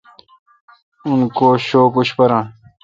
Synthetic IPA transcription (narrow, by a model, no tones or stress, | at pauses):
unkoːɕoːkuɕpɐɾãː